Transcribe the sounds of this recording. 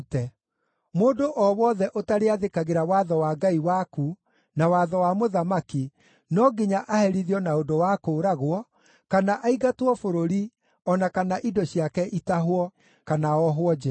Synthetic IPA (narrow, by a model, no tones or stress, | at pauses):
tɛ | moːdoʔɔwɔðɛʔotaɾeaðekaɣeɾawaðɔwaːɡaiwaku | nawaðɔwamoðamaki | nɔɡeɲaʔahɛɾiðjɔnaodowakoɾaɣwɔ | kanaʔaiɣatwɔfoɾoɾi | ɔnakanaʔidɔɕiakɛʔitaɦwɔ | kanaɔɦwɔd͡ʒɛ